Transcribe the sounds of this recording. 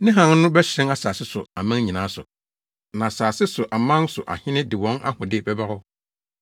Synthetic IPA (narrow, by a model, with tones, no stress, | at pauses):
nɪ̃˦ɦã˨n˦nʊ̃˦bɛ˦ɕɪ̃˦na˦saː˨sɪ˦sʊ˨a˨mã˦n˦ɲĩ˨nãː˨˦sʊ̰˨ | nã˨saː˨sɪ˦sʊ˨ʔa˨mã˦n˦sʊ˨ʔa̰˨hɪ̃˦nɪ̃˦dɪ˨wɔ̃˨˦na̰˦hʊ̃˨dɪ˦bɛ˦ba˦ɾɔ˦